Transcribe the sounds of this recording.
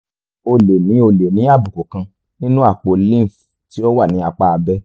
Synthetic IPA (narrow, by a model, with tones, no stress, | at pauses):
o˧le˨nĩ˨˦o˧le˨nĩ˨˦a˦˨bu˨ko˨kã˧ | nĩ˦nũ˦a˦˨k͡po˨˧lĩ˦˨f | ti˦ɔ˦wa˦˨nĩ˨˦a˧k͡pa˧a˧bɛ˦